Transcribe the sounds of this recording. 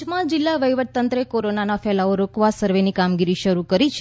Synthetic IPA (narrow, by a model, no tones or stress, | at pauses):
mãd͡ʒɪlːaʋəjʋət̪̚t̪ənt̪ɾəekoɾonanafɛlaoɾokʋasəɾʋenikamɡiɾiʃəɾukəɾit͡ʃʰ